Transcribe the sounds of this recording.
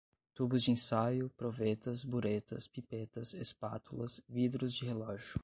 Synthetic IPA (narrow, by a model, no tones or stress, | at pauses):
t̪ubʊzd͡ʒɪẽsajʊpɾovet̪ɐzbuɾet̪ɐspipet̪ɐsespat̪ʰulɐsvid̪ɾʊzd͡ʒɪɦelɔʒʊ